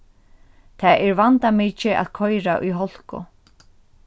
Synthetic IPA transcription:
t̪ʰaːʔɛɹvant̪amiːt͡ʃɪʔa̰ðkʰɔjɾaʔṵjɦɔl̥kʊ̰

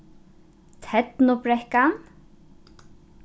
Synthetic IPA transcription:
t̪ʰɛt̪nʊpɾɛhkan

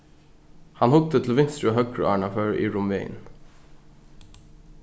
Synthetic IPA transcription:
hɑnhʊk̚t̪ət̪ʰl̩ʋɪnst̪ɹʉɑhœkɹʉ̰ɑːɳɑføːɹḭːɹʊmʋḛɪn

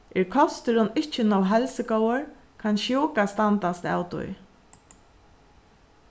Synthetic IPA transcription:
ʔɛɾkʰɔst̪ɪɾʊnɪt͡ʃːɪnɔwɦɛlsəkɔwəɹ | kʰanʃjuːkast̪ant̪ast̪a̰ːwt̪ʊ̰j

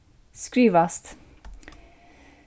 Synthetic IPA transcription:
skɹiːʋɑst̪

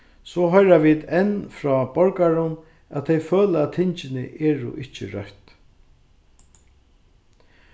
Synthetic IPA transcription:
sɔɦɔjɾaʋiːd̪ɛnfɾɔːbɔɹkaɾʊn | æt̪ʰɛjføːlæt̪ʰːɪɲt͡ʃɪnɪ̰ʔɛːɾʊ̰ʔɪht͡ʃɪ̰ɾœ̰ht̪

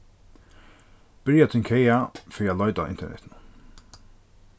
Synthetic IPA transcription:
b̥ɪɹjat̪ʰɪlkʰɛjafɾialɔʏt̪a̰ɪ̰nt̪ɛɳɛ̰t̪nə

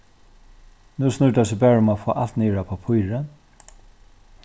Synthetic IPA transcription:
nusnʊt̪as̬ɪbɛːɹʊmafo̰ːʔalt̪niːɹapʰaːpʰʊjɹə

